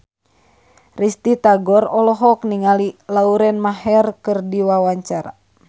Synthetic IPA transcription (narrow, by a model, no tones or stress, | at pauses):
rist̪it̪aɡɔrɔlɔɦɔk̚niŋalilauɾɛnmahɛrkɨrdiwawaɲt͡ʃaɾa̰